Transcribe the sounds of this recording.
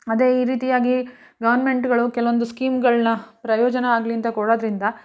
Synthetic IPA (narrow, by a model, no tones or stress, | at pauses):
ɐd̪eiːɾiːt̪ijaːɡi | ɡɐʋɐɾnɐme̞ɳʈɡɐɭukɛlɐʋond̪uskiːmɡɐɭnɐpɾɐjɔːd͡ʒɐnɐaːɡliɐnt̪ɐkɔɽoːd̪ɾind̪ɐ